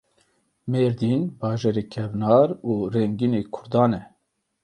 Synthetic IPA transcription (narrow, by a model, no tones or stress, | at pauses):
meːɾd̪inbɑːʒɛɾeːkʰɛvnɑːɾuːɾɛŋɡineːkʰʊɾd̪ɑːnɛ